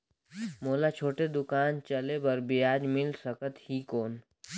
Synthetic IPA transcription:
moːlat͡ʃʰoːʈed̪ʊkaːnt͡ʃɐlebəɾbɪjaːd͡ʒmɪlsɐkət̪hiːkoːn

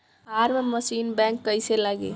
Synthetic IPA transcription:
aɾmməsinbɛ̃ŋkːəjselaɡḛ

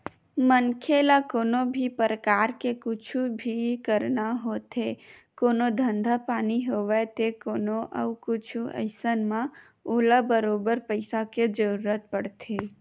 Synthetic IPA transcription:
mənkʰelakoːnobʱipəɾəkaːɾkekʊt͡ʃʰubʱikəɾnaɦoːt̪ekoːnod̪ʱə̃nd̪ʱapaːniɦoʋet̪ekoːnoʔə̰wkʊt͡ʃʰuə̰ɪsənmã | oːlabəɾoːbəɾpəɪsaked͡ʒəɾuɾət̪̚pəɽt̪ʰe

